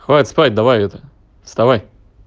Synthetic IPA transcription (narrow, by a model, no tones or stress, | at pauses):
xvaɪt̪spatʲd̪ɐvajɛt̪ə̥ | fst̪ɐvaj